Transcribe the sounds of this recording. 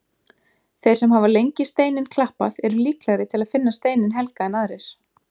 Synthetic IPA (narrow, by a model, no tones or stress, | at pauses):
θejr̥sɛmɦavalejɲcɪst̪eːjnɪnkʰlahpaðɛɾʏliːklaɣɾɪt̪ʰɪlaðfɪnːast̪eːjnɪnɦɛlkaɛnaðɾɪɾ̥